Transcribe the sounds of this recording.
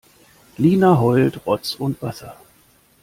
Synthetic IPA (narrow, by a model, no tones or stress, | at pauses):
liːnaɦɔltʁɔt͡sʊntv̥asɐ